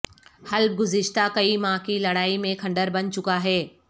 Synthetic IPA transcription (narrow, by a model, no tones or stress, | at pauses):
hɐl̚ɡʊzɪʃt̪akɐimãkilɐɽaːimẽkʰɐ̃ɳɖəɾbɐnt͡ɕʊkaɦɛː